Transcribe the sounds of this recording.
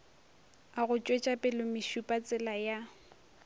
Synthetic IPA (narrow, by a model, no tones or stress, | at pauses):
aɣʊt͡ʃʼwet͡ʃʼapʼɪlʊmɪʃupʼat͡sʼɪlaja